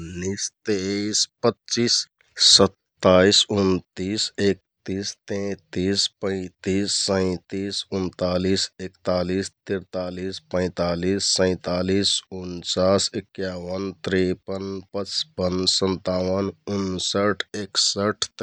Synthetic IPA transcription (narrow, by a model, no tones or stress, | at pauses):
nist̪espətːt͡ʃiːsː | ət̪ːaːisunt̪iːsek̚ | t̪iːst̪ẽt̪ispə̃ɪ̃t̪iːsːə̃ɪ̃t̪iːsʊnt̪aːlisekt̪aːliːst̪iɾt̪aːliːspə̃ɪ̃t̪aːlisːə̃ɪ̃t̪aːlisunt͡ʃaːsɪkjaːʋənt̪ɾipənpət͡ʃpənsə̃nt̪aːwənʊnsəʈʰeksəʈʰt̪